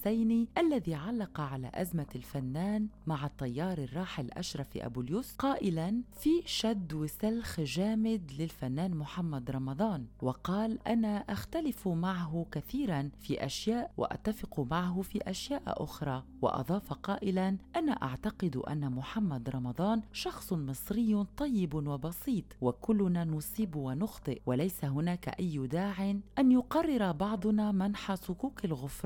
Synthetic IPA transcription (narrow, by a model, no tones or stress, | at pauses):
sajniʔalːaðiːʕalːɑqɑʕala̰ːʔazmalfanːaːnmaʕat̪ˤːɑjːɑːɾˤɪrˤːɑːħalʔa̰ʃɾˤɑfḭʔa̰bʊljuːsqɑːʔɪlanfiːʃad̪wɪsalxʒaːmɪd̪lɪlfanːaːnmʊħamːad̪ɾˤɑmɑd̪ˤɑːnwɑqɑːlʔanaːʔaxt̪alɪfmaʕaɦʊkaθiːɾanfiːʔaʃjaːʔwa̰ʔa̰t̪ːafɪqmaʕaɦʊfiːʔaʃjaːʔʔʊ̰xɾˤɑːwɑ̰ʔɑ̰d̪ˤɑːfaqɑːʔɪlanʔanaʔa̰ʕt̪ɑqɪd̪̰ʔa̰nːamʊħamːad̪ɾˤɑmɑd̪ˤɑːnʃɑxsˤʊmɨsˤɾɪjːt̪ˤɑjːɪbwabɑsˤiːt̪ˤwakʊlːʊnaːnʊsˤiːbwanʊxt̪ˤɨʔwalajsaɦʊnaːka̰ʔajːd̪aːʕɪnʔanjʊqɑrˤːɪɾabɑʕd̪ˤʊnaːmanħasʊkuːkalɣʊfɾˤ